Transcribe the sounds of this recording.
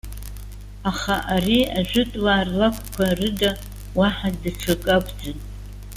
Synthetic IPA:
aχaʔariaʒʷᶣʊtʼwaːrlakʷʰʼkʷʰarɨda | waħadaʈ͡ʂʰakʼakʼd͡zɨn

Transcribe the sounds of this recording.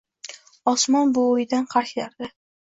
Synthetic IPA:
ɒsmɒnbʊːjd̪anqʰɑɾʃlaɾd̪ɪ

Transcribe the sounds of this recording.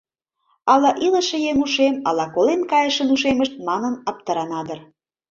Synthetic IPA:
ɑlɑʔilə̆ʃĕjeŋuʃemɑlɑkolenkɑjəʃənuʃeməʃt̪̚mɑnənɑp̚t̪əɾɑnɑd̪ər

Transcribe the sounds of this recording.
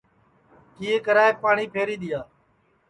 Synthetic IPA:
kiːɦeːkəɾaːeːpaːɳiːpʰeːɾiːɗ̪ɪjaː

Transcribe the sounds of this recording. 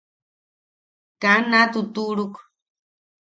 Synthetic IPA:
kanat̪ut̪uʔɾuk

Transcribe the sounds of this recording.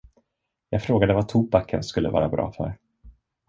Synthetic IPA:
jɑːɡfɾoːɡad̪əvat̪ʰuːbakʰənskɵlːəvɑ̰ːɾabɾɑ̰ːfœ̰ɾ

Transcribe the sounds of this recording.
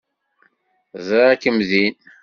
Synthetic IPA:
zəɾækːəmðin

